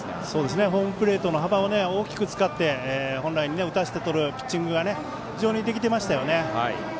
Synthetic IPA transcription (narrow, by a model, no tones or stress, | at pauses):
so̞ːd̪e̞s̬ɨne̞ɦo̞ːmɯ̟pɯ̟ɾe̞ːt̪o̞no̞ɦabaone̞o̞ːkʲi̥kɯ̟t͡sɨ̥kat̪ːe̞eːhõ̞ñɾaiɲ̟ine̞ɯ̟t̪aɕi̥t̪e̞t̪o̞ɾɯ̟pʲi̥t͡ɕːĩŋɡɯ̟ɡane̞ | çiʑo̞ːɲ̟id̪e̞kʲit̪̬e̞maɕi̥t̪ajo̞ne̞a